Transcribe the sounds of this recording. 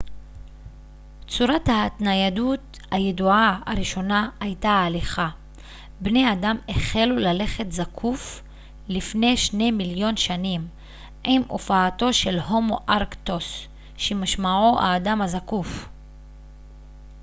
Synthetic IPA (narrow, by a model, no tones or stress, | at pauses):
t͡suɾathatnajadut | hajeduʕaaɾiʃo̞naːjtaːliχa | bne̞jadameχelulale̞χe̞tzakʰuf | lifne̞jʃne̞miljo̞nʃanim | ʔimʔo̰faːto̞ʃe̞lɦo̞moʔaʁkto̞s | ʃemaʃmaʕoʔa̰ːdamazakuf